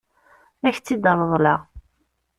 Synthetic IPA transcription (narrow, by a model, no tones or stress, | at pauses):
æçt͡sːid̪ɑlˤəðˤlɑʁ